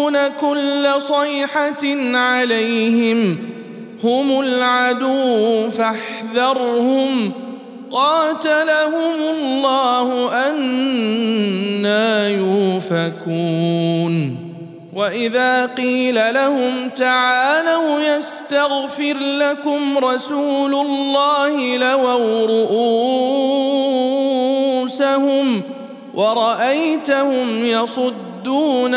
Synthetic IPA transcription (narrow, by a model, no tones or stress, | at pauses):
nakʊlːasˤɑjħanʕalajhɪm | hʊmʊlʕad̪uwfaħðɑɾˤhʊm | qɑːt̪alaɦʊmʊlˤːɑːhʊʔan | aːjuːfakuːn | waʔɪðaːqiːlalahʊmt̪aʕaːlahʊjast̪aɣfɪɾlakʊmɾˤɑsuːlʊlːɑːhɪlawawɾʊʔuː | sahʊm | wʔɑɾˤɑʔajt̪ahʊmjɑsˤʊd̪ːuːn